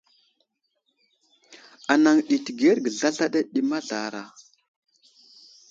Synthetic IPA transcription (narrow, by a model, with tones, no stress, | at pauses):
a˨na˨ŋɗi˨ti˨ɡe˦ɾɡə˨ɮa˦ɮa˦ɗa˦ɗi˨ma˦ɮa̰˨ɾa̰˨